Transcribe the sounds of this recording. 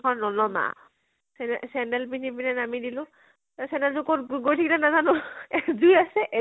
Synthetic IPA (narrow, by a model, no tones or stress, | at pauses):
ɔnɔlɔma̰ | sɛsɛndɛlpinipinɛnamidilʊ̃ | sɛnɛltʊkɔɡojtʰikilɛnazanʊzujasɛʔɛ